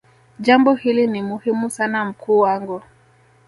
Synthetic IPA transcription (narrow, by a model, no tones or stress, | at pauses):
ʄambɔhilinimuhimusanam̩kʰuːwaŋɡu